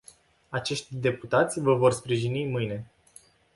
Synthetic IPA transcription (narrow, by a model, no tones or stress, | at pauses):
at͡ʃe̞ʃt̪ʲd̪e̞put̪at̪sʲvəvo̞rspɾiʒinimɨjne̞